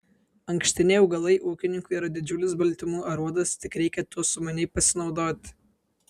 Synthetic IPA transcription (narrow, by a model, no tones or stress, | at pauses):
ɐŋʲkʃʲt̪ʲɪnʲɛɪɐʊɡɐlˠɐɪʔuːkʲɪnʲɪŋkʊɪiːɾɐd̪ʲɪd͡ʒʲʊlʲɪsbɐlʲt̪ʲɪmuːɐɾuɔd̪ɐst̪ʲɪkɾʲɛɪkʲɛt̪uɔsʊmɐnʲɛɪpɐsʲɪnɒʊd̪oːt̪ʲ